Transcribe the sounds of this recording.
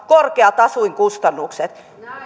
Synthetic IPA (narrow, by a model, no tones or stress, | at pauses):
korkeɑt̪ɑsuiŋkust̪ɑnːukset̪